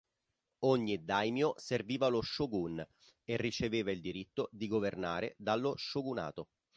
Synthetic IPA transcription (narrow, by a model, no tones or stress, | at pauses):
oɲːid̪ajmjoserviːvaloʃːoɡun | erːit͡ʃeveːvaild̪iɾit̪ːod̪iɡovernaːɾḛd̪alːoʃːoɡuna̰ːt̪o